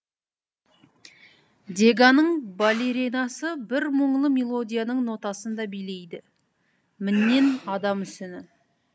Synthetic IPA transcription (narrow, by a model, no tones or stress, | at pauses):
d̪e̞ɡanəɴbalʲeɾinɑsəbɪɾməɴlˠəmelˠo̞d̪ʲijanəɴnot̪ɑsənd̪ɑbijle̞jd̪ɪ | mɪnːe̞nɑd̪ɑmʏsɪnɪ